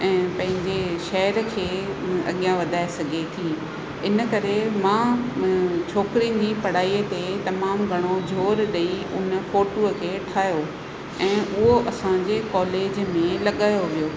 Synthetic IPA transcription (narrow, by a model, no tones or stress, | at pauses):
ɛ̃ːpɐ̃ɦɪ̃ɲd͡ʑeʃɐɦəɾkʰeːɐ̰ɠijãʋɐd̪ʱaːesɐɡʱet̪ʰiː | ɪnəkɐɾemãː | t͡ɕʰoːkɾin̆d͡ʑipɐɽ̤aːit̪et̪ɐmaːmɡʱɐɽ̃od͡ʑʱoːɾɗɐi | ʊnfoːʈuəkʰeːʈʰaːjo | ɛ̃ːʔʊɦoʔɐsãd͡ʑekɔːleːd͡ʑmẽlɐɠaːjoʋijoː